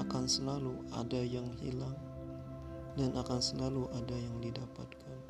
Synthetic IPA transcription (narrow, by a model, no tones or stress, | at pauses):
akansəlalua̰dajaŋhḭlaŋ | danʔakansəlaluʔadajaŋdidapat̪̚kʰan